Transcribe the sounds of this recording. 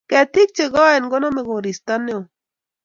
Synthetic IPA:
kɛ˨t̪i˦k̚t͡ʃe˨ɣɔ˦e˨nɡo˦na˦me˨ɡo˨ɾi˨st̪a˦ne˦o˨

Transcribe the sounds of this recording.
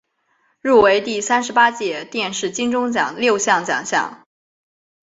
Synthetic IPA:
ɻu˥˩we˧˥ɪt̪i˥˩sa˥nʂɻ̩˧˥pa˥t͡ɕjɛ˥˩t̪jɛ˥˧nʂɻ̩˥˩t͡ɕi˥ŋʈ͡ʂʊ˥ŋt͡ɕjɑ̰˨˩ŋljo˥˧ʊɕjɑ˥˩ŋt͡ɕjɑ̰˨˩ŋɕjɑ̰˥˩ŋ

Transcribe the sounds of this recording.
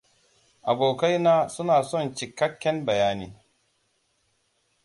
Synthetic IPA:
ʔa˨boː˨ka˦jnaː˦sʊ˦naː˨sɔ˦˨nt͡ʃɪ˨kːɐ˦kʲːɛ˦mbɐ˨jaː˦nḭː˦

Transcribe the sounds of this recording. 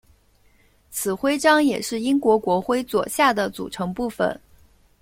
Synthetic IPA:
t͡sʰɹ̩˨˩xwe˥ɪʈ͡ʂɑ˥ŋjɛ˨˩ʂɻ̩˥˩i˥ŋkwɔ˧˥kwɔ˧˥xwe˥ɪt͡swɔ̰˨˩ɕja˥˩d̪ə˩t͡sṵ˨˩ʈ͡ʂʰɤ˧˥ŋpu˥˩fə̰˨˩˦n

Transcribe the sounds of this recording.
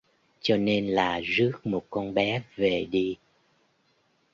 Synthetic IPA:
t͡ɕɔ˧ne˧nlaː˨˩zɨ˦˥ək̚mo˨˩t̚kɔ˧nɓɛ˨˦ve˨˩ɗi˧

